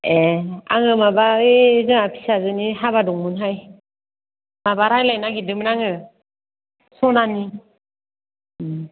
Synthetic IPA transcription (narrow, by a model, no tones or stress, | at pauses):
ea̰ŋɯmabaɯzɯŋapʰi̥sazɯniɦaβadɔŋmɯnɦaj | mabaɾhajlajnaɡidɯmɾaŋɯ | sɔnani